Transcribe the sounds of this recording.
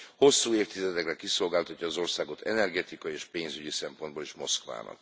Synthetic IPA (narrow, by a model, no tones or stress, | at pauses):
ho̞sːuːeːrt̪izɛt̪ɛkrɛkiso̞lɡaːlt̪ɒcːɒːzo̞rsaːɡo̞t̪ʰɛ̰nɛrɡɛt̪ikɒjieːʃpeːnzyɟisɛmpo̞nd̪boleːʃmo̞skʋa̰ːnɒ̰k